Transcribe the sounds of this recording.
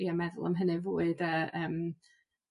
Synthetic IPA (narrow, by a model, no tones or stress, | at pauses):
jamɛðʊ̰lˠa̰mɦənɨvoːɨdəːʔəːm